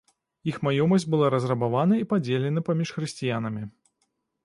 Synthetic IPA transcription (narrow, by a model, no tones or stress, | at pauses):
ixmajɔmɐsʲd͡zʲbɨlˠaɾɐzrɐbavanɐipad͡zʲelʲɛnɐpamʲiʂxɾɨsʲt͡sʲijan̪ɐmʲi